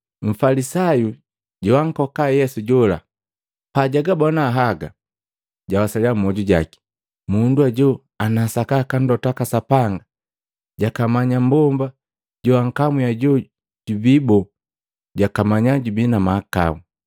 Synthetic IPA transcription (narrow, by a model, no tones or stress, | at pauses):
ɱ̩falisaju | ɟɔwaŋ̩kɔkajɛsuɟɔla̰ | paɟaɡabɔnaːɦaɡa | ɟawasaliam̩mːɔɟuɟa̰ki̥ | munduaɟɔ | anaːsakakan̩dɔtakasapaŋɡa | ɟakamaɲambɔmba | ɟɔwaŋkamujaɟɔ | ɟ̥ubibɔ | ɟakamaɲaɟubinamaːka̰u